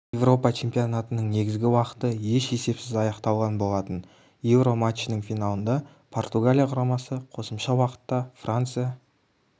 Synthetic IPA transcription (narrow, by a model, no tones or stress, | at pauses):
je̞vro̞pɑt͡ʃʰe̞mpijonat̪ənəɴne̞ɡʲɪzɡʲɪwɑqə̥t̪əje̞ʃe̞se̞psɪzɑjɑqt̪ɑlˠʁɑnbo̞lˠɑt̪ən | je̞vɾo̞mat͡ʃːnəŋfijnalˠənd̪ɑ | pʰo̞rt̪uɡalʲijaqʰʊɾɑmɑsəqʰo̞səmʃɑwɑqə̥t̪ːɑfrant̪sɨja